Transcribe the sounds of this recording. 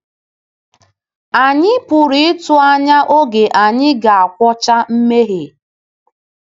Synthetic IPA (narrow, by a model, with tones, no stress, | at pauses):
a˨ɲɪ˦pʊ˨ɾi˨ɪ˦tʊ˦a˦ɲa˦ʔo˦ɡe˨ʔa˨ɲɪ˦ɡa˨a˨kʷɔ˦t͡ʃa˦m̩˦me˦ɦe˨